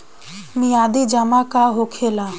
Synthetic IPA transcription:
miaːd̪iːd͡ʒamakaɦokʰelaː

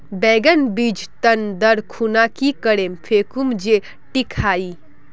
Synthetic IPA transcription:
bɛːɡənbiːd͡ʒt̪ənd̪əɾkʰunakikəɽemfʰeːkumd͡ʒe | ʈikʰaːi

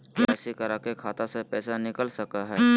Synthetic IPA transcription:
ɛːsikɐɾakekʰaːt̪asepɛːsanɪkəlsɐkaɦɛː

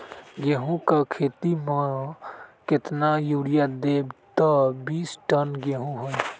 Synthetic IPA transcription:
ɡeɦũkakʰeːt̪imə̃ | kɪt̪najuːɽijad̪eːbt̪ɔbiːsʈənɡeɦũɦoi

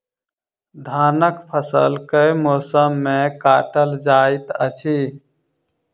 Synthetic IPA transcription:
d̪ʱaːnəkpʰəsəlkəjmoːsəmːekaːʈəld͡ʒajt̪ət͡ʃʰi

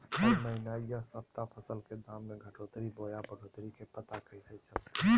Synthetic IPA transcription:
ɔːɾməɪnaːijasəp̚t̪apʰəsəlked̪aːmːeɡʱəʈoːt̪ɾiboːjabəɽoːt̪ɾikepət̪akəɪset͡ʃəlt̪

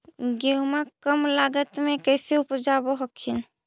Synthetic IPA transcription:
ɡeɦumakəmlaːɡət̪mẽkɛɪseʊpd͡ʒaboɦɔkʰin

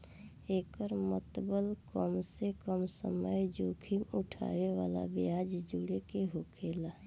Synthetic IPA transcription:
eːkəɾmət̪bəlkəmsekəmsə̰məjd͡ʒokʰimuʈʰa̰ːʋeʋa̰ːla̰biad͡ʒd͡ʒuɽekeɦokʰeːla

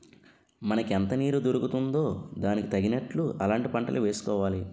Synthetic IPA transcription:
mɐnɐkɛnt̪ɐniːɾud̪oɾukut̪und̪o̞ːd̪aːnikit̪ɐɡinɐʈluʔɐlaːɳʈipɐɳʈɐ̰luʋe̞ːsu̥kɔːʋaːli

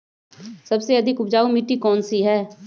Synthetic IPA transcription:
səbseəd̪ʱɪkʊbd͡ʒaːumiʈiːkɔːnsiɦɛː

